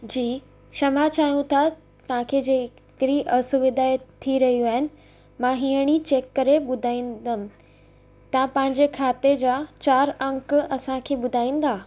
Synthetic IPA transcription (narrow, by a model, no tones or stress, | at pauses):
d͡ʑiː | ʃɐmat͡ɕaːɦijũt̪ʰa | t̪ɐʋ̤ãkʰed͡ʑeː | kɪɾiʔɐsʊʋɪd̪ʱaːet̪ʰːiɾɐɦijuaːɦɪnɪ̆ | mãɦiːəɽ̃it͡ɕeːkːɐɾeɓʊd̪ʱaːĩːnd̪əmɪ̆ | t̪ɐãpɐ̃ɦɪ̃ɲd͡ʑekʰaːt̪ed͡ʑaːt͡ɕaːɾɐ̃ŋkɐsãkʰeːɓʊd̪ʱaːĩːn̆d̪aː